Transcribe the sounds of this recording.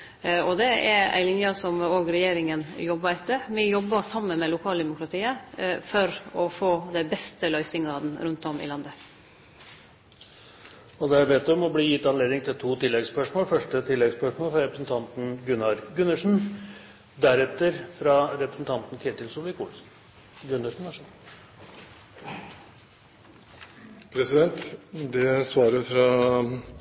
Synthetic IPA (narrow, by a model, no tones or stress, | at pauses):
ɔd̪ɛɛɾæ̰ɪlɪnjɑsɔmoːɡɾɛjeːɾɪŋənjɔbːɑɛt̪ːəmɪjɔbːɑsɑmːənmɛlʊkʰɑːld̪ɛmʊkɾɑt̪ʰiːəfɔɾɔfoːd̪ɛbɛst̪əlœʏsɪŋɑd̪n̩ɾʉnt̪ɔmɪ̰lɑnd̪ə | ɔd̪ɛæɾbɛt̪ːɔmɔbliːjɪt̪ːɑnleːd̪ɪŋt̪ʰɪlt̪ʰuːt̪ʰɪlːɛɡspœʂmoːlfœʂʈət̪ʰɪlːɛɡspœʂmoːlfɾɑɾɛpɾəsn̩t̪ʰɑnt̪n̩ɡʉnɑɾɡʉnːəʂn̩ | d̪æɾɛt̪ːəɾfɾɑɾɛpɾəsn̩t̪ʰɑnt̪n̩k̪ʰɪt̪ɪlsʊlɪkʰuːl | ɡʉnːəʂɳ̩ɑʂ | pʰɾɛsɪd̪ɛnt̪d̪ɛsʋɑːɾəfɾɑ